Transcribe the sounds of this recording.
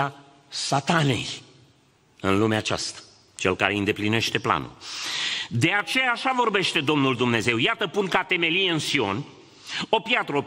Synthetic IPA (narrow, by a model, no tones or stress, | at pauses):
a | sat̪ane̞̰j | ɨnlumeat͡ʃa̰st̪ḁ | t͡ʃe̞̰lkaɾe̞ɨnd̪epline̞ʃt̪e̞pla̰nṵl | d̪e̞at͡ʃe̞jaːʃavo̞rbe̞ʃt̪e̞d̪o̞mnuld̪umne̞ze̞wjat̪əpunkat̪e̞me̞lijeɨnsio̞n | o̞pjat̪ɾəop